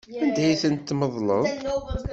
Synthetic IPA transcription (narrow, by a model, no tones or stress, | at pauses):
ænd̪æjθənt̪ːməðˤləðˤ